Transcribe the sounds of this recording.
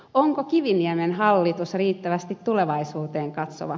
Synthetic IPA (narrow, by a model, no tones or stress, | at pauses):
oŋkokiʋiniæmenɦɑlːit̪usriːt̪ːæʋæst̪it̪t̪uleʋɑisuːt̪eːŋkɑt̪so̰ʋɑ